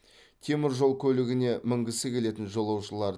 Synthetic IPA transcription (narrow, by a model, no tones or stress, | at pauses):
kʲʰe̞mɪɾʒo̞lˠkʲʰɵlɪɡʲɪne̞mɪŋɡʲɪsɪkʲʰe̞le̞t̪ɪnʒo̞lˠɑwʃəlˠɑɾ